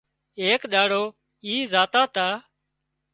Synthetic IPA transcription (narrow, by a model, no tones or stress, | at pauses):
eːkɗ̪aːɽoː | iːzaːt̪aːt̪aː